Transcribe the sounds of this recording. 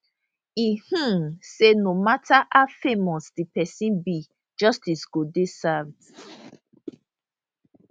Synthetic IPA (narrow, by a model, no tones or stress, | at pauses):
ih̩senomataʔafemɔsdipɛsĩnbi | d͡ʒɔstisɡodesavd